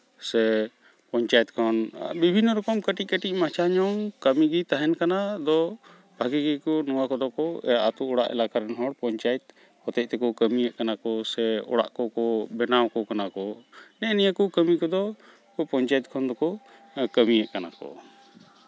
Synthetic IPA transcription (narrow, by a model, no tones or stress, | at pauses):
sɛ | pɔɲt͡ʃajɛt̪̚kʰɔnbibʱinːɔɾɔkɔmkəʈikəʈiʔmat͡ʃʰaɲɔŋkəmiɡit̪aɦɛnkanad̪ɔ | bʱaɡiɡikɔnɔwakɔd̪ɔkɔɛaʔat̪uɔɽaʔɛ̰lakaɾɛnɦɔɽpɔɲt͡ʃajɛt̪̚ | hɔt̪ɛc̚t̪ɛkɔkəmijɛʔkanakɔsɛɔ̰ɽa̰ʔkɔkɔbɛnawkɔkanakɔnɛʔnijakukəmikɔd̪ɔ | pɔɲt͡ʃajɛt̪̚kʰɔnd̪ɔkɔ | kəmijɛʔkana̰kɔ̰